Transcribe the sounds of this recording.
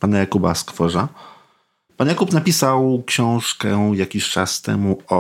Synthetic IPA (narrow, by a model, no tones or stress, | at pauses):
panajakubaskfɔʐa | panjakupnapʲisawkɕɔ̃w̃ʂkɛjakʲiɕt͡ʂa̰st̪ɛ̰muɔ